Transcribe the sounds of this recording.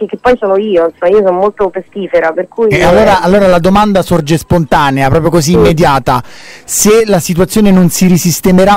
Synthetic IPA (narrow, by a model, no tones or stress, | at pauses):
kekːepːɔjsɔːnoiːoansomaiːosɔnomolt̪opest̪iːfeɾaperkuːjalːoːɾaːlːoːɾalad̪omand̪asord͡ʒespont̪aːneapɾɔːpɾjokoziːmːed̪jaːt̪aselasit̪uwat̪sːjoːnenonsiɾisist̪emeɾa